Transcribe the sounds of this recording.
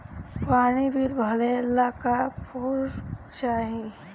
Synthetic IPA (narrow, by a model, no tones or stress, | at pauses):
paːɽ̃ibʱiɾbʱɐlelːakapʰuɾt͡ʃaːɦi